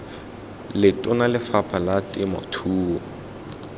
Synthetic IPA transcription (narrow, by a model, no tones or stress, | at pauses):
lɪtʼʊnalɪfapʰalatʼɪmɔ̰tʰuːɔ